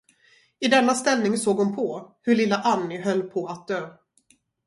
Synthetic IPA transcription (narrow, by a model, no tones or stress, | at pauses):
ɪd̪ɛnːast̪ɛlnɪŋsoːɡʊmpʰɔhɵɭɪlːaʔanːɪɦœlːpʰɔat̪̚d̪øː